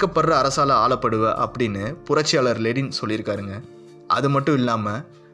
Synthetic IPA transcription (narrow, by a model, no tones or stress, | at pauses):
kːɐpːɐɽrɐːɾɐsaːlɐaːɭɐpːɐɽɯʋɐʔɐpːɐɽɪnːɯpʊɾɐt͡ʃːɪjaːɭɐɾleɽɪnsɔlːɪɾɯkːaːɾɯŋɡɐ | ʔɐ̰ðɯmɐʈːʊ̃ɪlːaːmɐ